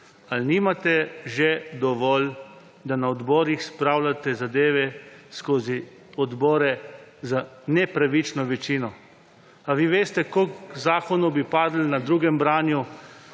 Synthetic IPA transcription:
alniːmat̪ɛʒed̪ɔʋɔl | d̪anaɔd̪bɔːɾixspɾaːwlʲat̪ɛzad̪eːʋɛskoːzi | ɔd̪bɔːɾɛzanɛpɾaʋit͡ʃnɔʋɛt͡ʃiːnɔ | aʋiʋeːst̪ɛkokzaːkɔnubipaːd̪l̩nad̪ɾuːɡɛmbɾaːnju

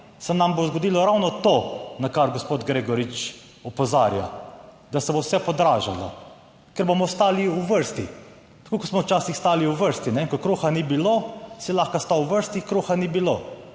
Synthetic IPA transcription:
sɛnambozɡɔd̪iːlɔɾawnɔt̪onakaɾɡɔspoːt̪ɡɾeːɡɔɾit͡ʃ | ɔpɔzaːɾja̰ | d̪asɛbowsɛpɔd̪ɾaːʒalɔ̰ | kɛɾbomɔst̪aːliuʋəɾst̪i | t̪ḁkoːkɔsmɔwt͡ʃaːsixst̪aːliwʋəɾst̪inɛiŋkɔkɾuːxanibilosɛlaxkast̪awʋəɾst̪ikɾuːxanibilo

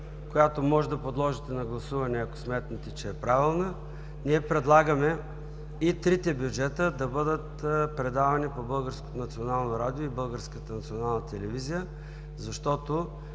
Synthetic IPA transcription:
kojat̪omɔʒɛd̪ɐpod̪lˠɔʒit̪ɛnɐɡlˠɐsuvɐnɛɐko̥smɛt̪nət̪it͡ʃɛːpɾavilˠnə | niɛpɾɛd̪lˠaɡəmɛ | it̪ɾit̪ɛbjud͡ʒɛt̪əd̪ɐbɤd̪ət̪pɾɛd̪avɐnipobɤlˠɡəɾsko̥t̪onɐt̪sionalˠnoɾad̪ioibɤlˠɡəɾskət̪ənɐt̪sʲionalˠnət̪ɛlɛvizijə | zɐʃt̪ɔt̪o

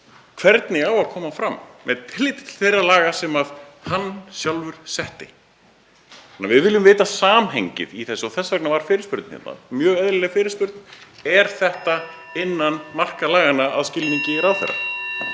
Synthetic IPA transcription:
kʰv̥ɛɾt̪nɪawaðkʰɔːmafɾamːɛðt̪ʰɪlːɪːt̪ɪt̪ʰɪ̥lθejrːalaːɣasɛmaðhanːsjawlvʏɾ̥sɛht̪ɪ | anːavɪðvɪljʏmvɪːt̪asaːmɦeɲcɪ̰ðiθɛsːɔθɛsːvɛknavaɾ̥fɪːɾɪɾspʏɾt̪n̥hɛ̰t̪na̰mjœːɣɛðɾɪlɛfɪːɾɪspʏɾt̪n̥ɛɾ̥θɛht̪aɪnːanmar̥kalaːɣanːaa̰ðscɪlniɲcɪɾawθɛ̰rːa̰

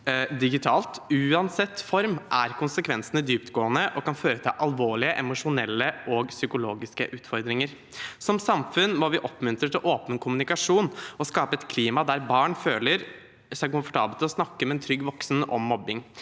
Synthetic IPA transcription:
d̪ɪɡɪt̪ʰɑːlt̪ʉːɑnsɛt̪ːfɔɾmʔæ̰ɾkʰʊnsəkʰʋɛnsənəd̪yːpt̪ɡoːənəʔɔkɑnføːɾət̪ʰɑ̰ʔɑlʋoːɭɪəʔɛmʊʂʊnɛlːəʔɔɡsʏkʊloːɡɪskə̰ʔʉːt̪fɔɾd̪ɾɪŋəɾ | sɔmsɑmfʉnmɔʋɪʔɔpːmʉnt̪ɾət̪ʰɪlʔoːpənkʰʊmʉnɪkɑʂuːnɔskɑːpəɛt̪kʰliːmɑd̪æɾbɑːɳføːləɾ | sæɪkʊmfɔ̥ʈʰɑːbəlt̪ɔsnɑkːəmɛɛnt̪ʰɾʏɡːʋɔksn̩ʔɔ̰mːɔbɪŋ

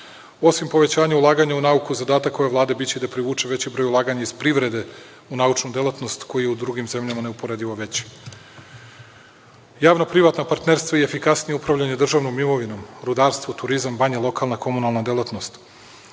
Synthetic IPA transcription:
o̞simpo̞ʋe̞t͡ɕaːɲaulˠaːɡaɲaunaukuzad̪aːt̪akːo̞jeʋlˠaːd̪ebit͡ɕeid̪apɾiʋuːt͡ʂe̞ʋet͡ɕibɾojulaːɡaɲaiz̥pɾiʋɾed̪e | unaut͡ʃnud̪elat̪no̞st̪ko̞jijeud̪ɾuɡimze̞mʎamaneupo̞ɾed̪iʋoʋe̞t͡ɕ | jaːʋnopɾiʋaːt̪napaɾt̪neɾst̪ʋaiefikasnijeupɾavʎaɲed̪r̩ʒaʋnomːimo̞ʋino̞ːmɾud̪aːɾst̪ʋo̞t̪uɾizamːaɲelˠo̞kʰalˠnakʰo̞munalˠnad̪elat̪no̞st̪

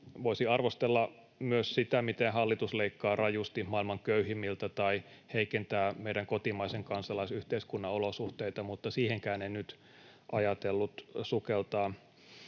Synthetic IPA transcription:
ʋoisiɑrʋost̪elːɑ | myøssit̪æmit̪enhɑlːit̪usleikːɑːrɑjust̪ihmɑːˑilmɑŋkøyhimːilt̪æt̪ɑiheikent̪æːmeiɾæŋkot̪imɑiseŋkɑnsɑlɑisyht̪eiskunːɑolosuht̪eit̪ɑmut̪ːɑsiːheŋkæːneinyt̪ | ʔɑjɑt̪elːut̪sukelt̪ɑː

